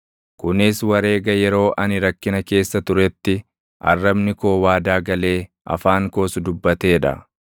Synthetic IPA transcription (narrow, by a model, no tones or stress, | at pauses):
kʊnɪswɐɾe̞ːɡɐjɛɾo̞ːʔɐnɪɾɐkːɪnɐke̞ːsːɐt̪ʊɾɛt̪ːɪ | ʔɐ̰rːɐbnɪko̞ːwaːd̪aːɡɐle̞ː | ʔɐ̰faːŋko̞ːsʊd̪ʊbːɐt̪e̞ːᶑɐ̰